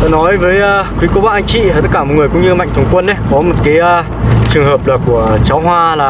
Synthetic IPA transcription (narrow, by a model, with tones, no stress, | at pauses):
t̪o˧˩nɔ˨˦jvəː˨˦jəː˧kwi˨˦ko˨˦ɓa̰ː˧˨ʔa˧jŋ̟t͡ɕḭ˧˨˩t̪ə˦t̚kːaː˧˩m˨˩t̚ŋɨ˨˩əjkʊ̰˧˥ŋ͡mɲɨ˧ma̰˧˨ŋt̪ʰə˨˩ŋ͡mkwə˧nːe˨˦jkɔ˨˦mo˨˩t̚kaː˨˦jəː˧ | t͡ɕɨ˨˩əŋhəː˨˩p̚laː˨˩ku˧˩ət͡ɕa˨˦wɦwaː˧laː˨˩